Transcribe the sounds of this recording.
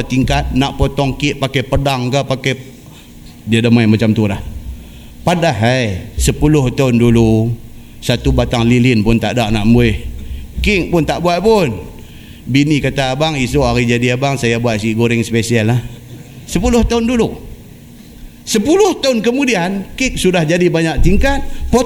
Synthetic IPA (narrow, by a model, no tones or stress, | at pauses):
t̪iŋkat̪̚naʔpot̪ɔŋkɪʔpakapədaŋkapake | diadəmajmat͡ʃamt̪ulah | padaɦəjsəpulʊht̪aʊndulu | sat̪ubat̪aŋlilɪnpʊnt̪aʔdaʔnaʔmbuɪhkɪk̚pʊnt̪aʔbuat̪̚pʊn | binikat̪aːbaŋisoʔaɣid͡ʒadiabaŋsajabuaʔ̪̚siɡoɾɪŋspesialah | səpulʊht̪aʊndulu | səpulʊht̪aʊnkəmudiankɪk̚sudahd͡ʒadibaɲak̚t̪iŋkat̪̚po